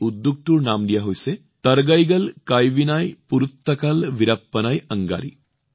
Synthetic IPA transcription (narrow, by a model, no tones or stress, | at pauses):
ud̪ːuk̚t̪uɾnaːmd̪ijaɦojse | t̪ɐɾɡɐjɡɐlkajʋinaːjpuɾut̪ːɐkɐlʋiɾɐpːɐnajɐŋɡa̰ːɾḭ